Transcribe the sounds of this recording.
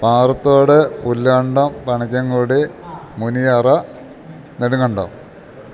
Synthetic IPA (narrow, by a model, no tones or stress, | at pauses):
paːrɐt̪ːoːɽepulːɐɳɖompɐɳɐkʲːɐŋɡuːɽimunijɐrɐ | neɽuŋɡɐɳɖo̰m